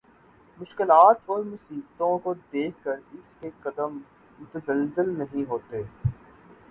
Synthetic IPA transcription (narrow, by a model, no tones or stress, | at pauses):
mʊʃkɪlaːt̪ɔːɾmʊsiːbt̪õkod̪eːkʰkəɾɪskeqɐd̪əm | mʊt̪əzəlzɪlnɐɦĩɦoːt̪e